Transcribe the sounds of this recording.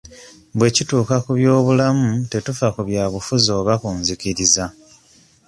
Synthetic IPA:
βwe̞cituːkakuβjo̞ːβulamute̞tufakuβjaːβufuzo̞ːβakuːnziciɾiza

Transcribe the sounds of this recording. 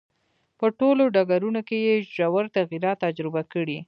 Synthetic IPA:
pəʈoloɖaɡaɾunokejeʒawaɾt̪aɣiɾɑt̪ːad͡ʒɾɪbakəɽi

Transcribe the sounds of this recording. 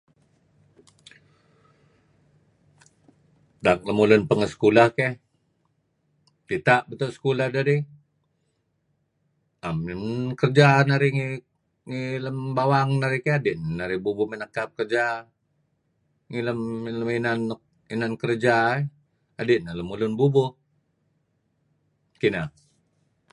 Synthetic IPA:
dak̚ləmulənpəŋəsə̥kulahkɛ | tit̪aʔbət̪osə̥kulahdaɾi | amnkərd͡ʒanaɾiŋi | ŋiləmbawaŋnaɾikeadiʔnnaɾibubʊmənəkap̚kərd͡ʒa | ŋiləmləminan | inankərd͡ʒae | adɪʔnaləmulʊnbubʊh | kina

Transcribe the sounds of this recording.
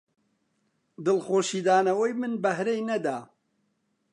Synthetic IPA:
d̪ɨlxoːʃiːd̪aːnɐwɐjmɨnbɐhɾejnɐd̪aː

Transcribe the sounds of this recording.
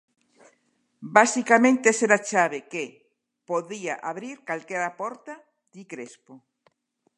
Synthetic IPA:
basikamẽnt̪eseɾat͡ʃaβeke | poðiaʔaβɾiɾkalkeɾapɔɾt̪a | d̪̥ikɾespo

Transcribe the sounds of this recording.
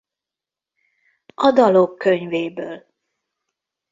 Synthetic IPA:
ɒd̪ɒlokːøɲveːbøːl

